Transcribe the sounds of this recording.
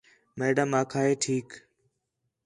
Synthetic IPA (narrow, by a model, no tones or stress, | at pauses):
meːɖəmːaːkʰaːɦeːʈʰiːk